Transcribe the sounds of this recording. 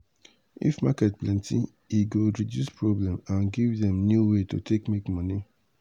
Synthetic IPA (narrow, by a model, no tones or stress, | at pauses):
ḭfmakɛt̚plɛ̃ntʰi | iɡoɹidjuspʰɹɔblɛ̃mãnɡivðɛ̃mnjuweto̰tʰekmekmɔni